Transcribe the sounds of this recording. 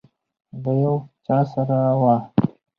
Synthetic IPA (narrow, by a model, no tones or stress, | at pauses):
d̪əjawt͡ʃɑsaɾawɑ